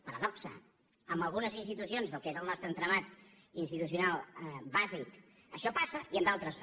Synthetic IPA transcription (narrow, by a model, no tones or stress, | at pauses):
pəɾəðɔksə̰ | əmbəlˠɣunəzinst̪it̪usionzðəlˠkezəlˠnɔst̪ɾənt̪ɾəβat̪ | inst̪it̪us̬iunalˠbazik | əʃɔpasəʔiəmdalˠt̪ɾəs